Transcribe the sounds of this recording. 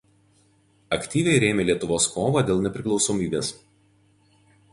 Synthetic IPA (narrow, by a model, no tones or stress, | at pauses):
ɐkʲt̪ʲiːʋʲɛɪɾʲeːmʲeːlʲiɛt̪ʊʋoːskoːʋɐd̪ʲeːlˠnʲɛpʲɾʲɪklˠɒʊsoːmʲiːbʲeːs